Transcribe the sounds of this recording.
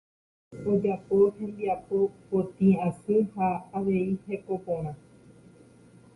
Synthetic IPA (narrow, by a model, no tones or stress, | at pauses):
od͡ʒapohẽ̞nd̪iapo̞kot̪ĩãsɨhaːʋeihekopõɾ̃ã